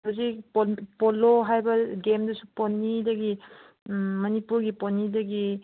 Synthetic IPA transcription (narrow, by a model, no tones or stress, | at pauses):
ozipopɔloɦajbɐɡemdɐsuponːidɐɡi | mɐnipuɾɡiponidɐɡi